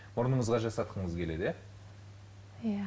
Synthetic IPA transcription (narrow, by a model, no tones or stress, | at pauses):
mʊɾnəɴəzʁɑʒɑsɑt̪qʰəɴəzkʲʰe̞le̞d̪je | ja